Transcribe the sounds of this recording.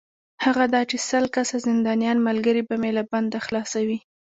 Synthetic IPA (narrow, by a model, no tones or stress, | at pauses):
haɣad̪ɑt͡ʃesəlkasazɪnd̪ɑnijɑnmalɡəɾibamelaband̪axlɑsawi